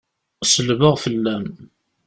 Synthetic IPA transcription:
səlvəʁfəlːæm

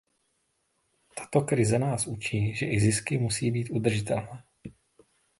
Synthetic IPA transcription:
t̪ḁt̪o̞kɾɪzɛnaːsʔut͡ʃiːʒɛʔɪzɪskɪmusiːbiːt̪ʔud̪r̩ʒɪt̪ɛlnɛː

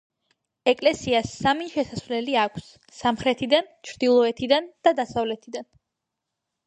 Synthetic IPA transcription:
ɛkʼlɛsiasamiʃɛsasvlɛliakʷʰsː | amχɾɛt̪ʰid̪ant͡ʃʰɾd̪̥ilˠɔɛt̪ʰid̪and̪̥ad̪asavlɛt̪ʰid̪an

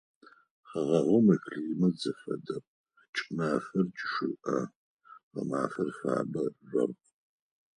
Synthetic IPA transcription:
χɐʁɐʁomɐkʰɮiːmɐd͡zɨfɐdɐpʼ | t͡ʃʼnaːfɐrt͡ʃʼʃɨʔɐ̰ | ʁɐ̰maːfɐrfa̰ːbɐrʷɐ̰rqʼ

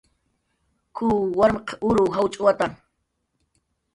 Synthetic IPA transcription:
kʰuwaɾmeqʰʊɾʊɦawt͡ʃʼʊwat̪a

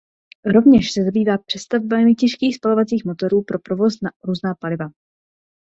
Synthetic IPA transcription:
ɾo̞vɲɛʃsɛzabiːvaːpr̥ɛst̪avobamɪcɛʃkiːxspalo̞vat͡siːxmo̞t̪o̞ɾuːpɾo̞pɾo̞vo̞snaɾuːznaːpalɪva

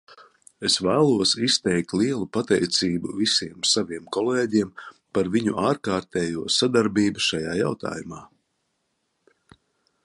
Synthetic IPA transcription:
esvæːlˠuɔsist̪ɛjk̚t̪lˠiɛlˠupat̪ɛjt̪siːbṵvisiɛmsaviɛmkɔlˠɛːɟiɛmpaɾviɲṵʔaːɾkaːɾt̪ɛːjuɔsad̪aɾbiːbuʃajaːja̰wt̪a̰ːjumaː

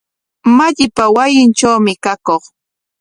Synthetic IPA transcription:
maʎɪpawajɪnt͡ʃawmɪkakoχ

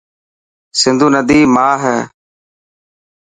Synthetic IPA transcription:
sɪnd̪uːnəd̪iːmaːɦɛː

